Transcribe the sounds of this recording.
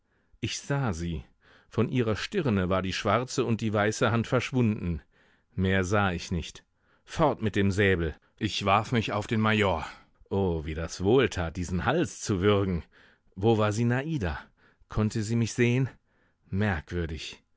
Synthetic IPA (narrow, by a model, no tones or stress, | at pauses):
ʔɪçz̥aːziː | fɔnʔiːʁɐʃtɪʁnəvaːɐdiːʃv̥aʁt͡səʊnt̚d̥iːvaɪsəhantfɛɐʃv̥ʊndn̩ | meːɐzaːɪçnɪçt | fɔʁtmɪt̚d̥eːmzɛːbl̩ | ʔɪçv̥aɐfmɪçaʊfd̥eːnmajoːɐ | ʔoːviːdasv̥oːltʰaːt̚d̥iːzn̩halst͡suvʏʁɡŋ̩ | voːvaːɐziːnaʔiːda | kʰɔntəziːmɪçz̥eːən | mɛɐkv̥ʏɐdɪç